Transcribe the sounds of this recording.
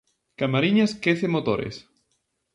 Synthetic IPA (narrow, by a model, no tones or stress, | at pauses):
kamaɾiɲaskeθemot̪oɾḛs